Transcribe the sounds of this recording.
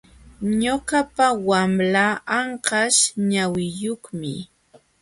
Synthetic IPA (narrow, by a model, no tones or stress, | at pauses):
ɲokapawamlaːɑɴqɑʃɲawɪjoχmɪ̰